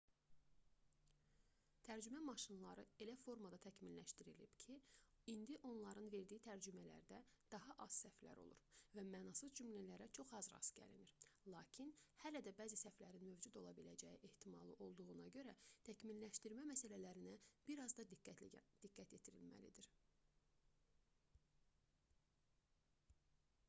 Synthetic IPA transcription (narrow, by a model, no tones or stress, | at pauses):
t̪ʰæɾd͡ʒymæmɑʃɯnlˠɑɾɯe̞læfo̞ɾmɑd̪ɑt̪ʰæcʰminlæʃt̪iɾilḭb̥cʰi | ind̪iʔo̞nlˠɑɾɯnve̞ɾd̪ijit̪ʰæɾd͡ʒymælæ̰ɾd̪æd̪̥ɑɦɑʔɑz̥sæflæ̰ɾo̰lˠṵɾvæmæːnɑsɯzd͡ʒymlælæɾæt͡ʃʰo̞χɑzɾɑ̰sɟæ̰lḭniɾ̥lˠɑːcʰinhælæd̪æbæːzisæflæɾinmøvd͡ʒud̪o̞lˠɑbilæd͡ʒæjiʔeht̪ʰimɑlˠɯʔo̞lˠd̪uʁunɑɟø̞ɾæt̪ʰæcminlæʃt̪iɾmæmæsælælæɾinæb̥iɾɑzd̪ɑ | d̪̥iɡːæt̪jet̪ʰiɾḭlmæ̰lḭd̪iɾ